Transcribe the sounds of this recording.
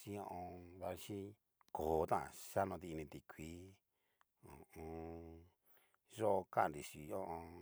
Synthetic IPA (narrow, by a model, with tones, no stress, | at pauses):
si˧˦õ˧ʔõ˧βa˧ʃi˦ | ko˨˦˧t̪ã˦ã̰˧˨ʂa˦nõ˧t̪i˧nĩ˧t̪i˨kʰʷi˦ | õ̰˨õ˧ | ʐo˦ʔo˧kã˦ã˧˨nɾi˨ʂi˨˧õ˦ʔõ˧